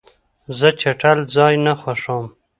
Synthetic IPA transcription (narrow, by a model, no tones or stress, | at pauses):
zət͡ʃaʈald͡zɑjnaxwaʂom